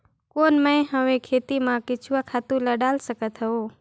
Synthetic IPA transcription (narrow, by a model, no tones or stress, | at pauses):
koːnmə̃j̃ɦəʋẽkʰeːt̪imãkɪt͡ʃʰuʋakʰaːt̪ũləɖaːlsəkət̪ɦəoː